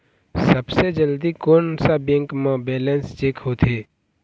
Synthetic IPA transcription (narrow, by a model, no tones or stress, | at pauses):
səbsed͡ʒəld̪ikoːnsabẽːŋkmãbeːlẽnst͡ʃeːkhoːt̪ʰɦeː